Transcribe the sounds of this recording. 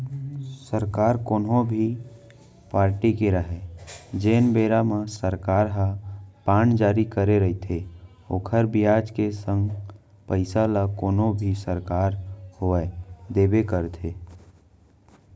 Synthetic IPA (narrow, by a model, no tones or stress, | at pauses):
səɾkaːɾkoːnɦobʱi | paːɾʈikeɾəɦɛd͡ʒeːnbeɾamesəɾkaɾɦəpand͡ʒaːɾikəɾeɾəɦit̪ʰe | okʰəɾbijad͡ʒkesə̃ŋɡ | pəɪsaləkoːnobʱisəɾkaɾhoɛd̪ebekəɾt̪ʰe